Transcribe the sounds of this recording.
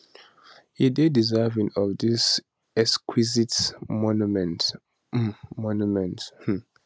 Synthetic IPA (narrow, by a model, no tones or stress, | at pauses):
ididizɛvĩŋɔvdis | ɛkskʰwizitmɔnumɛnt | mɔnjumɛ̃nth̩